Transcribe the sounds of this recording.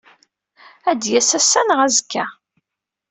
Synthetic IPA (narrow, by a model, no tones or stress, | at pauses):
æd̪jæsæsːænʁæzəkːæ